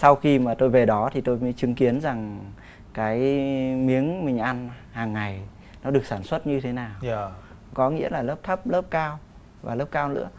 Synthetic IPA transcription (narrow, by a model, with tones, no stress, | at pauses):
sa˧wxi˧maː˨˩t̪o˧jve˨˩ɗɔ˨˦t̪ʰi˨˩t̪o˧jməː˨˦jt͡ɕɨ˨˦ŋki˨˦ənza˨˩ŋ | kaː˨˦jmi˨˦əŋmï˨˩ŋ̟ʔa˧n | haː˨˩ŋːa˨˩j | nɔ˨˦ɗɨ˨˩ək̚saː˧˩nswə˦˥t̚ɲɨ˧t̪ʰe˨˦naː˨˩w | kɔ˨˦ŋḭ˧˥əlaː˨˩ləː˦˥p̚t̪ʰə˦˥p̚ləː˦˥p̚kaː˧w | va̰ː˨˩ləː˦˥p̚kaː˧wnɨ̰˧˥